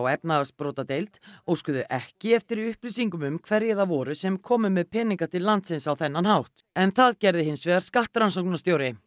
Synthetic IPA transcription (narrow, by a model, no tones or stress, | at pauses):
wɛpnaðaspɾoːwt̪at̪ejlt̪ɔɣskʏːðʏʔɛhcɪɛft̪ɪɾiʏhplisiŋkʏmʏmkʰvɛɾjɛðavɔːɾʏsɛmkʰɔːmʏmɛðpʰɛːniŋkat̪ʰɪlːant̪sɪnsawθɛnːanhawht̪ | ɛnθaðcɛɾðɪɦɪnsvɛːɣaɾ̥skaht̪ɾansowknast̪jowɾɪ